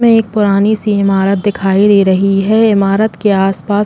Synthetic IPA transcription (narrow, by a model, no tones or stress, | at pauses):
ẽeːk̚pʊɾaːnisiɪmaːɾət̪̚d̪ɪkʰaːid̪iːɾɐɦiɦɛɪmaːɾət̪keaːspaːs